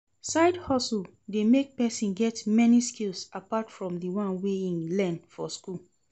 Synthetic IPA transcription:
saɪdhɔsul | demek̚pɛsĩnɡɛtmɛniskilsapatfɹɔ̃mðiwãnweĩnlɛ̃nfɔskul

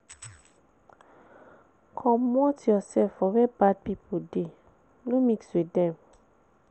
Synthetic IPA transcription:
kʰɔ̃mɔ̃tiɔsɛfɔvɛbad̚pipʰode | nũmĩkswedɛ̃m

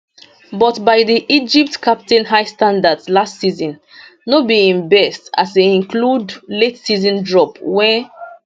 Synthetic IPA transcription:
bɔtbajdiʔid͡ʒip̚tkʰap̚tɛ̃nɦajstãndadslastsizɔ̃n | nobiĩnbɛstaseĩnkludletsizɔ̃ndɹɔpwɛ̃n

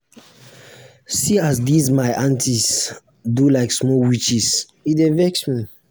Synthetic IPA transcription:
siazdizmaɪʔãntʰis | dulaɪksmɔwit͡ʃis | itɛvɛksmi

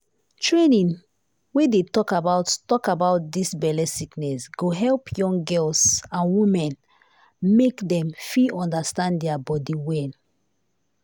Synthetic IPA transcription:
tʰɹenĩn | wɛ̃detɔkabaʊtːɔkabaʊt̚disbɛlɛsiknɛsɡ̥oɦɛlpʰjɔ̃ŋɡɜlsãnwĩmɛ̃n | mekdɛ̃mfiɔ̃ndəstãnddɛabɔdiwɛ̃n

